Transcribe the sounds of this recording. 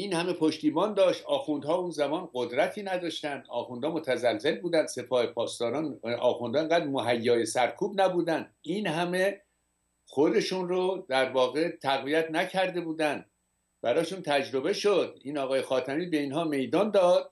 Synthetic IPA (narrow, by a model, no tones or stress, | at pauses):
iːnhæme̞pʰoʃt̪iːbɒːnd̪ɒːʃt̪ɒːxund̪hɒːuːnzæmɒːnɢod̪ɾæt̪ʰiːnæd̪ɒːʃt̪ænd̪̥ɒ̰ːxund̪ɒːmot̪ʰæzælze̞lbuːd̪ænd̪̥se̞pʰɒːhe̞pʰɒːst̪ɒːɾɒːnɒ̰ːxund̪ɒːeŋɡæːd̪ɾmoɦæjːɒːje̞sæɾkʰuːbnæbuːd̪ænd̪iːnhæme̞ | xo̞d̪e̞ʃunrod̪æɾvɒːɣe̞t̪ʰæɣvijæt̪ʰnæcʰæɾd̪e̞buːd̪ænd̪ | bæɾɒːʃuːnt̪ʰæd͡ʒɾo̞be̞ʃod̪iːnɒːɣɒːjexɒːt̪ʰæmiːbe̞iːnɦɒːme̞jd̪ɒːnd̪ɒːd̪̥̚